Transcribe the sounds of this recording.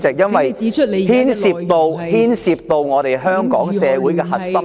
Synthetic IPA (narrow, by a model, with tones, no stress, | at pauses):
t͡sɪ˨k̚jɐ˥nwɐ˨jʰhiː˥nsiː˨˧p̚t̪o˨˧whiː˥nsiː˨˧p̚t̪o˨wŋɔː˨˧t̪e˨˩jɦœː˥ŋkɔ̰ː˨˥ŋsɛː˨˧wu˨˥jkɛː˧hɐ˨t̚sɐ˥m